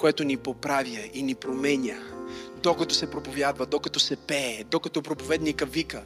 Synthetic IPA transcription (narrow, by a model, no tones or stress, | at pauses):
koɛt̪onipopɾavjəinipɾomɛnʲəd̪okɐt̪ɔsɛpɾopovjad̪vɐd̪okɐt̪ɔsɛpɛːd̪okɐt̪ɔpɾopovɛd̪nikəvikə